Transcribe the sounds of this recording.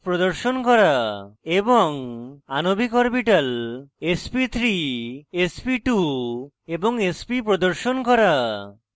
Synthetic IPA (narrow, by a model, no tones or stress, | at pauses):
pɾɔd̪ɔɾʃonkɔɾaebɔŋanobikɔɾpiʈalespit̪ʰɾiespiʈu | ebɔŋespipɾɔd̪ɔɾʃonkɔɾa